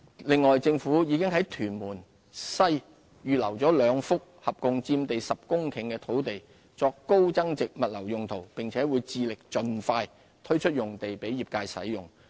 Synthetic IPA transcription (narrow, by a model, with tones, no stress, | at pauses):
lɪ˨˧ŋːɔː˨jt͡sɪ˧ŋfuː˨˥jiː˨˧kɪ˥ŋɦɐ˨˥jt̪ʰyː˨˩nmuː˨˩n | sɐ˥j | jyː˨lɐ˨˩wt͡sɔː˨˥lœː˨˧ŋfʊ˥k̚hɐ˨p̚kʊ˨ŋt͡siː˧mt̪e˨jsɐ˨p̚kʊ˥ŋkʰɪ˨˩ŋkɛː˧t̪ʰo˨˥wt̪e˨j | t͡sɔː˧kːo˥wt͡sɐ˥ŋt͡sɪ˨k̚mɐ˨t̚lɐ˨˩wjʊ˨ŋt̪ʰo˨˩wpɪ˨ŋt͡sʰɛː˨˥wuː˨˧jt͡siː˧lɪ˨k̚t͡ʃɵ˨˧nfaː˧j | t̪ʰɵ˥ɥt͡ʃʰɵ˥t̚jʊ˨ŋt̪e˨jpe˨˥jiː˨p̚kaː˧jsɐ̰˨˥jjʊ˨˩ŋ